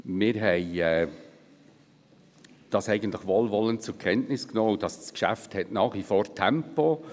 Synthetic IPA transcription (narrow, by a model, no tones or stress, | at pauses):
mɪːɾɦɛɪɛː | d̥ɑsɛɪɡən̩tlɪχʋoːlʋɔləntt͡sʊɾkʰɛntnɪsknoːud̥ɑsskʃæ̰fthɛtnɑːχʋifoːɾtʰɛmpo